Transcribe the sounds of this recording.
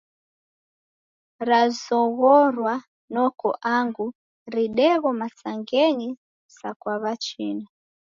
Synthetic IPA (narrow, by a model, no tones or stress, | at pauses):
ɾazɔɣɔɾwa | nɔkɔʔaŋɡu | ɾiɗɛɣɔmasaŋɡɛɲi | sakwaβat͡ʃina